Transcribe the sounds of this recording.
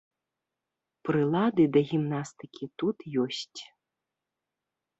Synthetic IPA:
pɾɨlˠad̪ɨd̪ɐɣʲimnast̪ɨkʲit̪ut̪jɔsʲt͡sʲ

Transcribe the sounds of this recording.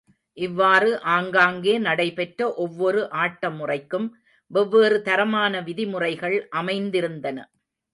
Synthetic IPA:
ʔɪʋːaːrɯʔaːŋɡaːŋɡeːnɐɽɐɪpɛʈrɐʔɔʋːɔɾɯʔaːʈːɐmːʊrɐɪkːɯm | ʋɛʋːeːrɯt̪ɐɾɐmaːnɐʋɪðɪmʊrɐɪɣɐɭʔɐmɐɪnd̪ɪɾɯnd̪ɐnɐ̰

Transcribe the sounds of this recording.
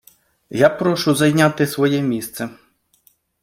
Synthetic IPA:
japɾɔʃʊzɐjnʲat̪ɪsʋɔjɛmʲist̪sɛ

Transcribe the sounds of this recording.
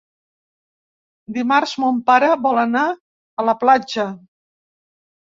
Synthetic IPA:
d̪imarzmompaɾəβɔləna | ələplad͡ʒə

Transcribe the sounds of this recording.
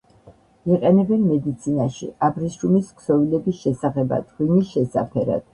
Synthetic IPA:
iqʼɛnɛbɛnmɛd̪it̪sʰinaʃḭabɾisumiskʰsɔvilɛbisʃɛsaʁɛba̰t̪ʼχwimisʃɛsapʰɛɾa̰d̪̥̚

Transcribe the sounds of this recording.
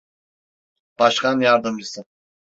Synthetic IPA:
b̥ɑʃqanjaɾd̪ɯmd͡ʒɯsɯ

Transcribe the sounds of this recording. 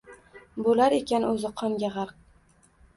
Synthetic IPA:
bolaɾe̞kʲanɵzɪqʰɒmɡʲaʁɑɾq̚

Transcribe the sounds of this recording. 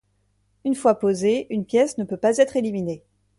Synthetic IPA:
ynfwapozeynpjɛsnəpøpazɛt̪χelimine

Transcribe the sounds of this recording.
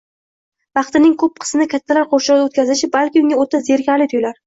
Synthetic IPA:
vɑχt̪ɪnɪŋkʰɵp̚qʰɨ̥smɪnɪkʲʰat̪ʰːalaɾqʰoʃɪɾd̪aot̪kʲʰazɪʃɪbalkʲɪʊ̃ŋʲaoɾt̪ʰːazeɾkʲʰaɾlɪt̪ʰʊjlaɾ

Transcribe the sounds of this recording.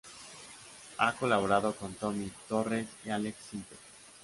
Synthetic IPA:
ako̞laβoɾaðoko̞nt̪o̞mit̪o̞resialeksinp̪eɾ

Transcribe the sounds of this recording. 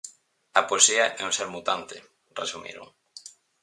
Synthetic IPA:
ɐpoesiɐʔɛuŋseɾmut̪ant̪ɪ | resumḭɾʊ̰ŋ

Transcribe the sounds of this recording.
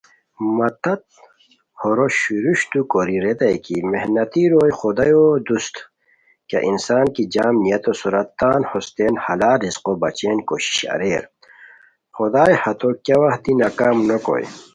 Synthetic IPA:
mɐt̪ɐt̪̚ | hoɾoɕuɾuɕt̪ukoɾiɾed̪ɐjkimehnɐt̪iɾoːjxod̪ɐjod̪ust̪ | kɐ̰ʔinsaːnkid͡ʑaːmnijɐt̪osuɾɐt̪ːaːnhost̪eːnhɐlaːɾizqobɐt͡ɕeːnkoɕi̥ɕɐ̰ɾeːɾ | xod̪aːjhɐt̪okjɐwɐht̪inakaːmnoko̰j̰

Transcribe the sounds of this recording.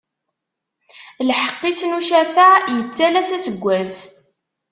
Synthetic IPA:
lħə̥qːisnuʃæfajət͡sːælæsæsəɡʷːæs

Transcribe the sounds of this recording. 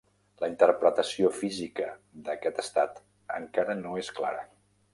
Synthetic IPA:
ləint̪əɾpɾət̪əsiofizikəd̪əkɛt̪əst̪at̪ | ə̰ŋkaɾənoeskla̰ɾə̰

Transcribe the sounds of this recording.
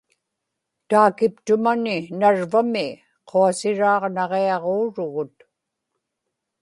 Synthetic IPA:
t̪aːkɪpt̪ʊmanɪnaɻvamɪ | qʰoasɪɻɑːʁnɑʁeɑʁoːɻʊɣʊt̪

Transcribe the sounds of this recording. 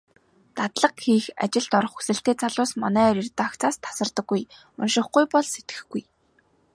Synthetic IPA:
t̪at̪ɮə̆qxiːxa̰t͡ɕɪ̆ɮt̪ɔɾ̆χu̥sɘ̆ɬt̪eːt͡sʰaɮʊːsmɔ̰næːɾirt̪̆ːakt͡sʰaːst̪ʰḁsə̆rt̪ə̆ɡːuj | ʊ̰nʃɪ̆χɡujpɔɮset̪ɡɘ̥̆xɡuj

